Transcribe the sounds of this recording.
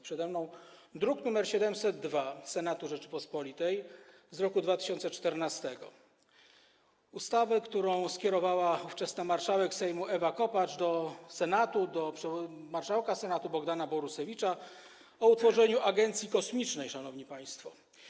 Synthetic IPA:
pʂɛd̪ɛmnɔ̃w̃ | d̪ɾuknumɛɾɕɛd̪ɛmsɛd̪ːvasɛnat̪uʐɛt͡ʂɘpɔspɔlʲit̪ɛj | zɾɔkud̪vat̪ɘ̥ɕɔnt̪sɛt͡ʂt̪ɛɾnast̪ɛɡɔ̰ | ust̪avɛkt̪uɾɔ̃w̃skʲɛɾɔvawauft͡ʂɛsnamaɾʂawɛksɛjmuʔɛvakɔpat͡ʂd̪ɔsɛnat̪ud̪ɔpʂmaɾʂawkasɛnat̪ubɔɡd̪anabɔɾusɛvʲit͡ʂa | ɔut̪fɔʐɛɲuʔaɡɛnt̪sʲjikɔsmʲit͡ʂnɛjʂanɔvɲipaj̃st̪fɔ

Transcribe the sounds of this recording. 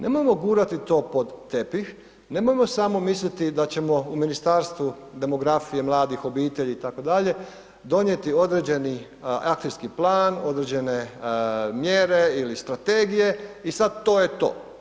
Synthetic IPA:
ne̞̰mojemo̞ɡuːɾat̪it̪o̞ːpo̞d̪ːe̞pix | ne̞mojemo̞samo̞mislʲit̪id̪at͡ɕe̞mo̞uminist̪aːɾst̪ʋu | d̪e̞mo̞ɡɾafije̞mlˠaːd̪ixo̞biːt̪eʎiːt̪ako̞d̪aʎe̞ | d̪o̞ɲje̞t̪io̞d̪ɾed͡ʑe̞ni | akt̪iskiplaːno̞d̪ɾe̞d͡ʑe̞ne̞ | mje̞ːɾe̞ilist̪ɾat̪e̞ːɡije̞isad̪̚t̪o̞ːje̞t̪o̰ː

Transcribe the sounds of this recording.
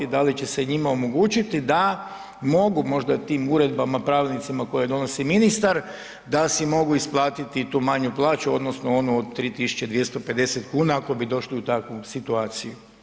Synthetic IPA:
id̪alit͡ɕe̞se̞ɲimao̞mo̞ɡuːt͡ɕit̪id̪a | mo̞ɡumo̞ʒd̪at̪iːmuɾe̞d̪bamapɾaːʋilʲnit̪simako̞jad̪o̞no̞siminist̪aɾ | d̪asimo̞ɡuisplˠaːt̪it̪it̪uːmaɲuplˠaːt͡ɕuo̞d̪no̞sno̞o̞nuod̪̚t̪ːɾiːt̪isu̥t͡ɕe̞d̪ʋje̞st̪o̞pe̞d̪e̞set̪kuːnaako̞bid̪o̞ʃliut̪akʋusit̪uaːt̪siju

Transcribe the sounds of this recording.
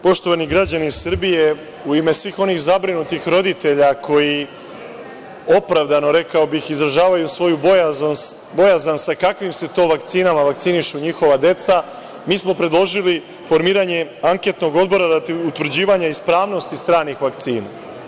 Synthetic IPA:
po̞ʃt̪o̞ʋaniɡɾad͡ʑanisr̩bije̞ | uime̞sʋiːxo̞nixzabɾinut̪ixɾo̞d̪it̪e̞ʎakʰo̞ji | o̞pɾaʋd̪ano̞ɾe̞kao̞bixizɾaʒaːʋajusʋo̞jubojazn | bo̞jazansakakʋimse̞t̪o̞ːʋakt̪siːnamaʋakt̪siniʃuɲixo̞ʋad̪e̞t̪sa | miːsmo̞pɾe̞d̪lˠo̞ʒili | fo̞ɾmiːɾaɲe̞aŋke̞t̪no̞ɡo̞d̪bo̞ɾaɾat̪iut̪ʋɾ̩d͡ʑiːʋaɲaispɾaːʋno̞st̪ist̪ɾaːnixʋak̚t̪siːna

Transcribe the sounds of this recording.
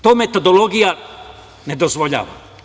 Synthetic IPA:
t̪oːmet̪od̪o̞lo̞ɡija | ne̞d̪ozʋoʎa̰ːʋa̰

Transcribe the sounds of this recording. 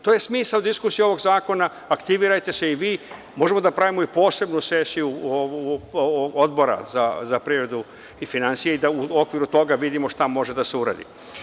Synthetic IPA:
t̪oːje̞smiːsaod̪iskusijeo̞ʋo̞ɡzaːko̞naːkt̪iʋiɾajt̪e̞se̞iʋiː | mo̞ʒe̞mo̞d̪apɾaʋimoipo̞ːse̞bnuse̞sijuo | ɡo̞d̪bo̞ɾa̰zazapɾiɾed̪u | ifinansijeid̪auo̞kʋiɾut̪o̞ɡaʋid̪imo̞ʃt̪amo̞ʒe̞d̪ase̞uɾa̰ːd̪ḭ

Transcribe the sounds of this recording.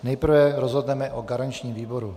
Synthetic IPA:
nɛjpr̩vɛɾozɦod̪nɛmɛʔoɡaɾant͡ʃɲiːmviːbo̞ɾu

